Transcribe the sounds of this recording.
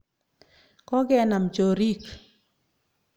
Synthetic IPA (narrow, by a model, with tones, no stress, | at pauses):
kɔ˦ɡɛ˦na˨mt͡ʃo˨ɾi˦k